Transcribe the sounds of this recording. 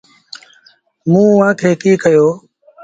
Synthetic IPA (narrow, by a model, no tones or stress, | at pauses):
mũːʋãːkʰeːkiːkəjoː